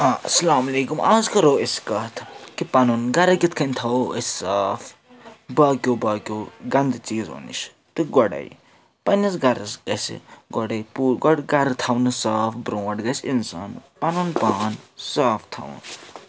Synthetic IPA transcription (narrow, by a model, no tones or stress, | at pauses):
aɐsɐlaːmɐleːkumaːzkɐɾoːeskɐt̪ʰkipɐnunɡɐɾɐɡit̪ʰkʰɐnʲt̪ʰɐwɐ̰ssaːfʰ | baːkʲoːbaːkʲoːɡɐnd̪t͡ʃiːzo̰nḭt͡ʃʰ | t̪ɨɡɔɽɐ̰j | pɐnɐsɡɐɾɐsɡɐsḭɡɔɽɐjpuːɡɔɽɡɐɾt̪ʰɐwnɨsaːfʰbɾõːɐʈɡɐsinsa̰npɐnunpaːnsaːfʰt̪ʰɐ̰w̰n